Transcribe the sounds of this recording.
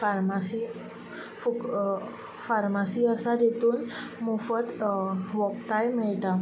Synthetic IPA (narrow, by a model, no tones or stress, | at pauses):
farmasi | fuk | farmasiəsadet̪unmufət̪wɔp̚t̪ajmeda